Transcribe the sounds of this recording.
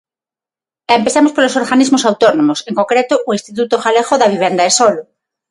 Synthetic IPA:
empeθamospolosoɾɣanizmosawt̪onõmoseŋkoŋkɾet̪oʔːinst̪it̪̬ut̪oxaleɣoðaβ̞iβ̞end̪aesolo

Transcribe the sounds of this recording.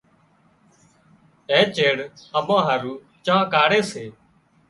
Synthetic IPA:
ẽːt͡ʃeːɽəmãːɦəɾuː | t͡ʃãːkaːɽeːseː

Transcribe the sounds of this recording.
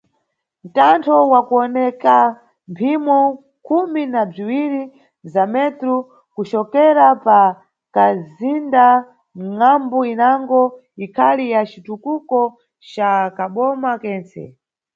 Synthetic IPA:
n̩tantʰɔwakuɔnɛka | mpʰimɔ | kʰuminab͡ʐiwiɾi | zamɛtɾu | kut͡ʃɔkɛɾapa | kazinda | ŋambuinaŋɡɔ | ikʰalijat͡ʃitukukɔ | t͡ʃakaɓɔmakɛːnt͡sɛ̰

